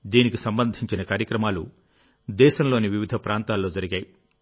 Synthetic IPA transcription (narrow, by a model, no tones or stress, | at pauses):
d̪iːnikisɐmbɐnd̪ʱiɲt͡ʃinɐkaːɾjɐkɾɐmaːlu | d̪ɛːʃɐmlo̞ːniʋiʋid̪ʱɐpɾʔaːnt̪aːlːo̞ːd͡ʒɐɾiɡaːji